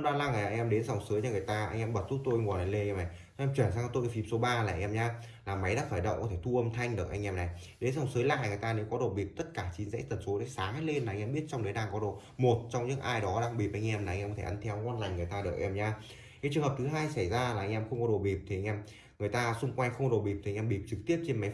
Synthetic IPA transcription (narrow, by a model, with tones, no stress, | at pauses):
ɗaː˧laː˧˩ŋaː˨˩˨ŋʔɛ˧mɗe˨˦nza˨˩wŋ͡msɨː˨˦jɲaː˧˩ŋ˨˩ə˩jt̪aː˧ʔa˧ŋ̟ʔɛ˧mɓə˨˩t̚z̥u˦˥t̚t̪o˧jŋɔ˨˩nla˨˩˦le˧ʔɛ˧ma˨˩jʔɛ˧mt͡ɕwi˧˩nsaː˧kɔ˧˦t̪o˧jʔə˧˩fi˨˦mso˨˦ɓaː˧la̰ː˨˩ʔɛ˧mɲaː˧ | laː˨˩ma˨˦jɗa̰ː˧˥faː˧˩jɗə̰˧˨wŋ͡mkɔ˨˦t̪ʰe˧˩t̪ʰu˧ʔə˧mt̪ʰa˧jŋ̟ɗɨ˨˩k̚ʔa˧jŋ̟ʔɛ˧mna˨˩jɗe˨˦nza˨˩wŋ͡msɨ˨˦jla̰ː˧˨ŋɨ˨˩əjt̪aː˧ne˨˦wkɔ˨˦ɗo˧˨˩ɓi˨˩p̚t̪ə˦˥t̚kaː˧˩t͡ɕi˨˦nzḛ˧˥t̪ə˨˩nso˨˦ɗaː˨˦jsaː˨˦ŋhaː˧˥jle˧nlaː˨ʔjŋʔɛ˧ɓi˦˥ət̚t͡ɕɔ˧ŋ͡mɗəː˨˦jɗaː˨˩ŋkɔ˨˦ɗo̰˧˨ | mo˨˩t̚t͡ɕɔ˧wŋ͡mɲɨ̰˧˥ŋʔaː˧jɗɔ˨˦ɗaː˧ŋɓi˨˩p̚ʔa˧ŋ̟ʔɛ˧mlaː˨˧ŋʔɛ˧kɔ˨˦tʰe˧˩ʔə˨˦nt̪ʰɛ˧wŋɔ˧nla˨˩ŋ̟ŋ˨˩jt̪aː˧ɗɨː˨˩k̚ʔɛ˧mɲaː˧ | ke˨˦t͡ɕɨ˨˩əŋɦə˨˩p̚t̪ʰɨ˨˦ɦaː˧jsa˧˩jzaː˧laː˨˩ʔa˧jŋ̟ʔɛ˧mxə˧ŋ͡mkɔ˨˦ɗo˨˩ɓi˨˩p̚t̪ʰi˨˩a˧jŋ̟ɛ˧m | ŋɨ˨˩əjt̪aː˧sʊ˧ŋ͡mkwa˧jŋ̟xə˧wŋ͡mɗo˨˩ɓi˨˩p̚t̪ʰi˨˩˧ŋʔɛ˧ɓi˨˩p̚t͡ɕɨ˨˩k̚t̪i˦˥əp̚t͡ɕe˧nma˨˦